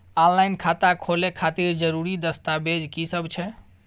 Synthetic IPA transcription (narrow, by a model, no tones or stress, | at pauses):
ãllajnkʰat̪akʰolekʰat̪iɾd͡ʒəɾuɾid̪əst̪abed͡ʒkisəbt͡ʃʰɛ